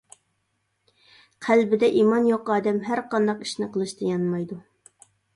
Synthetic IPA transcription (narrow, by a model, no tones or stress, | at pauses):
qʰælbɪd̪ɛʔimɑnjoqɑːd̪ɛmɦæɾqɑnd̪ɑqi̥ʃnɨqʰəlˠɨʃt̪ʰɨjɑnmɑjd̪u